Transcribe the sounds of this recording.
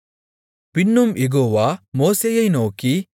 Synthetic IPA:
pinːumjeɡoːʋamoːsejɐjnoːki

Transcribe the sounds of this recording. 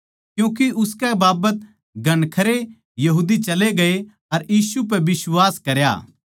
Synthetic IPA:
kjũːk̬eʔʊskɛbaːbət̪ | ɡʱɐɳkʰɐɾe | jɐɦuːd̪it͡ʃɐleɡɐe | ɐɾjiːsup̬ɛbɪswaːskɐɾja̰ː

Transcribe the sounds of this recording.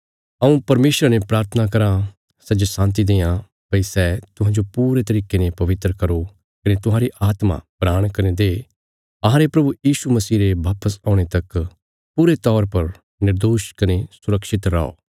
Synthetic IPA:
ɐũpɐɾmeːsɾanepɾaːɾt̪ʰənakɐɾã | sɛd͡ʒesãːnt̪̬id̪ẽːjã | pɐisɛːt̪ʊɦãːd͡ʒopuːɾet̪ɐɾiːkenẽpɐʋɪt̪ɾəkɐɾo | kɐnet̪ʊɦãːɾiʔaːt̪mã̰pɾaːɽ̃kɐɾẽd̪eː | ɐɦãːɾepɾɐbujiːʃumɐsiːɾeʋaːpəsãːʊɽ̃et̪ɐk | puɾet̪ɔːɾpɐɾ | nɪɾd̪oːʃkɐnesʊɾəkʃɪt̪ɾa̰ːo̰ː

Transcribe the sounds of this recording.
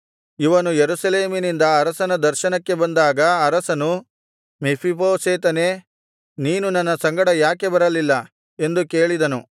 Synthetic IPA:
iʋɐnujeɾusɐleːminind̪ɐːɾɐsɐnɐd̪ɐɾʃɐnɐkːe̞bɐnd̪aːɡɐːɾɐsɐnu | mipʰipoːseːt̪ɐne̞ː | niːnunɐnːɐsɐŋɡɐɽɐjaːke̞bɐɾɐlilːɐ | e̞nd̪uke̞ːɭid̪ɐnu

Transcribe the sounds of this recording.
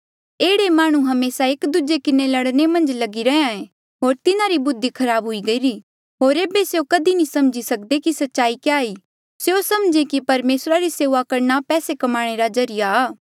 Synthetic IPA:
eːɽemaːɽ̃ũɦɐmeːsaeːkd̪ud͡ʒekɪnelɐɽnemɐ̃nd͡ʒlɐɡiɾɐãẽ | ɦoːɾt̪ɪnaɾibʊd̪ʱːikʰɐɾaːbɦʊiɡɐiɾi | ɦoːɾeːbeseokɐd̪inĩsɐmd͡ʒisɐk̚d̪ekisɐtːʃaːikeaːiː | seosɐmd͡ʒekipɐɾmeːsɾaɾiseːʋakɐɾnapɛːsekɐmaːɽ̃eɾazɐɾɪjaː

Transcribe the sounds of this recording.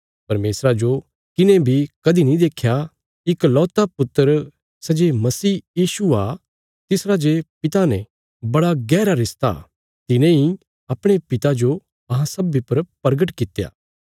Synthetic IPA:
pɐɾmeːsɾad͡ʒo | kɪnẽbʱikɐd̪inĩd̪eːkʰja | ɪklɔːt̪apʊt̪ːəɾ | sɛd͡ʒemɐsiːjiːʃua | t̪ɪsɾad͡ʒepɪt̪anɛ̃ | bɐɽaɡɛːɾaɾɪst̪a̰ | t̪ɪnẽi | ɐpɽ̃epɪt̪ad͡ʒo | ɐɦãsɐbipɐɾpɐɾɡəʈkɪt̪ːja̰ː

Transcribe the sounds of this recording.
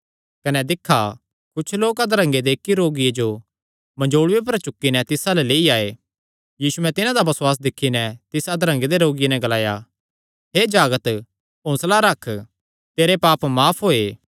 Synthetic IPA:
kɐnɛd̪ɪkʰːa | kʊt͡ʃʰloːkad̪ɾə̃ŋɡed̪eːkːiɾoːɡijed͡ʒo | mɐ̃d͡ʒoːɽʊep̬ɐɾt͡ʃʊkːinɛt̪ɪsalɛleːiaːe | jiːsuɛ̃t̪ɪnãd̪abɐswaːs̬d̪ɪkʰːinɛt̪ɪsad̪ɾə̃ŋɡed̪eɾoːɡɪjenɛ̃ɡɐlaːja̰ | ɦeːd͡ʒaːɡət̪ | õːslaɾɐkʰ | t̪eːɾepaːpmaːpʰɦoːeː

